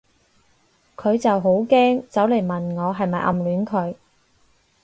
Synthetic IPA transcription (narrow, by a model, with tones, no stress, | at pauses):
kʰɵ˨˧ɥt͡sɐ˨wɦo˨˥wkɛː˥ŋt͡sɐ˨˥wle˨˩jmɐ˨nŋɔː˨˧ɦɐ˨jmɐ˨jʔɐ̰˨mlyː˨˥nkʰɵ˨˧ɥ